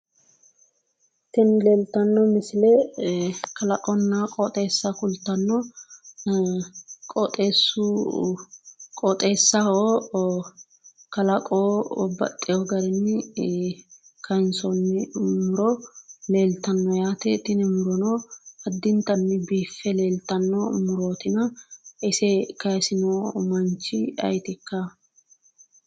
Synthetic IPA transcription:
t̪ɪnle̞ːlt̪ɐnːɔmɪsɪlɛ | kɐlɐkʼɔnːakʼɔt̪ʼe̞ːsːɐkʊlt̪ːɐnːɔ | kʼɔt̪ʼe̞ːsːʊ | kʼɔt̪ʼe̞ːsːɐo | kɐlɐkʼoːbɐ̰t̪ʼːɪjɔɡɐɾɪnːɪ | kʰɐnsɔnːɪmʊɾɔle̞ːlt̪ɐnːɔjaːt̪ɛt̪ɪnɛmʊɾɔnɔɐd̪ːɪnt̪ɐnːɪbiːfːɛle̞ːlt̪ɐnːɔmʊɾo̞ːt̪ɪnɐɪsɛkɐsɪnomɐnt͡ʃːɪɐ̰jt̪ɪkːɐ

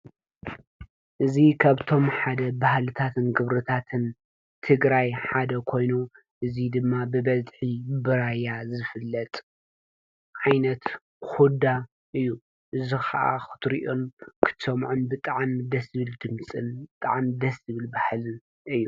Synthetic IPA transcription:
ʔɨzikʰaβt̪ʰo̞mħad̪ɐbahlɨt̪ʰat̪ʰɨnɡɨβɾɨt̪ʰat̪ʰɨn | t̪ʰɨɡɾajħad̪ɐkʰo̞jnu | ʔɨzid̪ɨmːabɨbɐzʼħibɨɾajazɨfɨlːɐt̪ʼ | ʕajnɐt̪ | xud̪a | ʔɨjːu | ʔɨzixaʔa̰xɨ̥t̪ʰɾiʔonkʰɨ̥t̪ʰsɐmʕunbɨt̪ʼaʕmd̪ɐsɨβɨld̪ɨmt͡sʼɨnbɨt̪ʼa̰ʕmd̪ɐsɨβɨlbahlɨn | ɨjːu

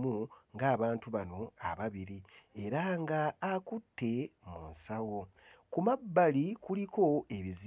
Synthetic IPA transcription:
muŋɡaːβaːntuβano̞a̰βaβiɾie̞ɾaŋɡaːkutʰːe̞munsawo̞ | kumabːalikulikʰo̞e̞βiz

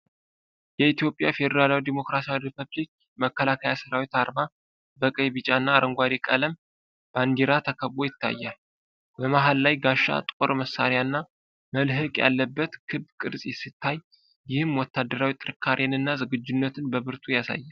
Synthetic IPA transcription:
jɛit̪jo̞pʼjafe̞d̪əɾalawid̪imo̞kɾasijawripʰəβlik̚ | məkːəlakʰəjasɨɾawit̪aɾma | bəkʼəjβɨt͡ʃʼanːaːɾʔəŋɡʷaɾikʼələm | b̥and̪iɾat̪ʰəkʰəβo̞jɪt̪ʰːa̰jːal | bəmaɦallajɡaʃːa̰t̪ʼkʼo̰ɾməsːaɾjanːa | məlɦɨkʼja̰lːəbːət̪kʰɨbkʼɨɾsʼjɛsit̪ʰːaj | jɪhɨmwɔt̪ʰːad̪ːəɾawit̪ʼɨɾɨkʰːaɾʔjanɨnːazɨɡɨd͡ʒːunːət̪ʰɨnbəβɨɾt̪ʰujasa̰jːal

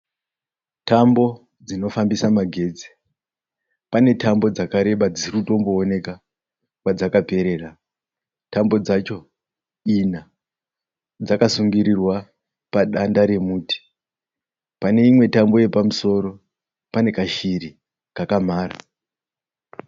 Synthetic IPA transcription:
tʰambo̞ | d͡zino̞fambisamaɡʱe̞ːd͡zi̥ | pane̞tʰambo̞d͡zakaɾe̞ɓad͡zirkuto̞mbo̞ːne̞ka | kwad͡zakape̞ɾe̞ra | tambo̞d͡zat͡ʃo̞ | ina | d͡zakasuŋɡiɾirwa | paɗandaɾe̞muːti̥ | pane̞imwe̞tambo̞je̞pamuso̞ɾo̞ | pane̞kaʃiɾi | kakam̤aːra̰

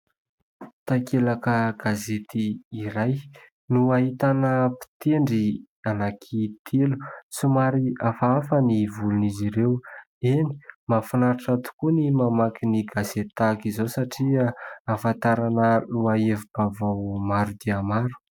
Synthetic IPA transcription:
t̪akelakəɡazet̪iːɾaj | nuaɦit̪anəpi̥t̪eɳɖ͡ʐi | anakʰit̪ʰelu̥t͡sumaɾiafaafənivuluniziɾew | eni̥mafinaɾaʈ͡ʂat̪u̥kunimamakiniɡazet̪akizowsaʈ͡ʂiaafant̪aɾanəluaevib̥avawmaɾud̪eamaɾu̥

